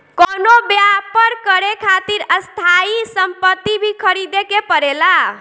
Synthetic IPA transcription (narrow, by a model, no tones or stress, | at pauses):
konobjapəɾkəɾekʰat̪iɾəst̪ʰaisəmpət̪ːibʱikʰəɾid̪ekepəɾela